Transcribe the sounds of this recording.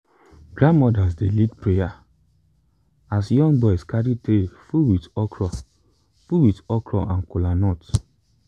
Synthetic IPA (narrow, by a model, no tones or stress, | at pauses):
ɡ̥ɾãnmɔdas̬delitpɹeja | asjɔ̃ŋɡbɔjskaɾitefuwitɔkɾɔ | fuwitɔkɾɔʔãnkulanɔt